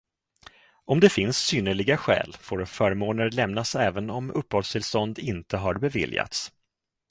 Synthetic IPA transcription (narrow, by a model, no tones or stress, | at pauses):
ɔmd̪ɛfɪnsːyːnəɭɪɡaɧɛ̰ːlfoːɾfœːɾmoːnəɾlɛmnasɛːvənɔmɵpːhɔlst̪ʰɪlst̪ɔnd̪ɪnt̪əɦaɾbɛvɪ̰lja̰t̪s